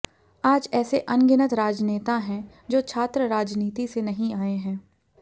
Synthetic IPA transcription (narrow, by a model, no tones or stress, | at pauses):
aːd͡ʒɛːseʔɐnɡɪnət̪ɾaːd͡ʒneːt̪aɦɛ̃ | d͡ʒoːt͡ʃʰaːt̪ɾəɾaːd͡ʒniːt̪isenɐɦĩaːeɦɛ̃ː